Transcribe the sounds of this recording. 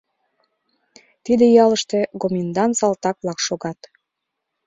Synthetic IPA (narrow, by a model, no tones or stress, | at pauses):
t̪id̪ejɑləʃt̪ekomind̪ɑnt̪sɑlt̪ɑk̚βlɑkʃoɣɑt̪